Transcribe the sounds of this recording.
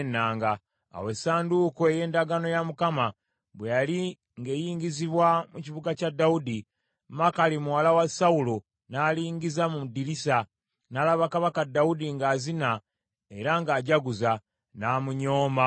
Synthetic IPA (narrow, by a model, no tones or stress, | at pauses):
nːaːŋɡa̰ː | we̞saːnduːkoe̞je̞ːndaɡano̞jamukama | βwejali | ŋɡe̞jiːŋɟiziβwamuciβuɡacadːaudi | makalimuwalawasaulo | naːliːŋɟizamudiɾisa | naːlaβakaβakadːaudiŋɡaːzina | e̞ɾaŋɡaːɟaɡuza | naːmuɲo̞ːma